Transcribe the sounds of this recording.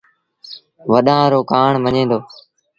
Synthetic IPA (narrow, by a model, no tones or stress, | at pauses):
ʋəɗãːɾoːkaːɳʋəɲẽːnd̪oː